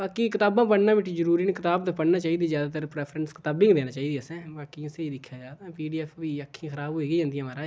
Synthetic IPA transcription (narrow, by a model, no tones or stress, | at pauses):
baːkikɪt̪aːbãːpəɽnãːbɪʈʰiːzəɾuːɾiːnkɪt̪aːbt̪ːpəɽnaːt͡ʃaːiːd̪iːzjaːd̪aːt̪əɾpɾɛːpʰɾənskɪt̪aːbɪ̃ŋɡd̪eːnaːt͡ʃaːiːd̪iːəsɛ̃ːbaːkiseiːd̪ɪkʰːjaːd͡ʒaːd̪aːpiːɖiːɛːpʰiːəkʰːĩːxəɾaːbɦoːiːɡiːd͡ʒãːnd̪ɪjãːmaːɾãː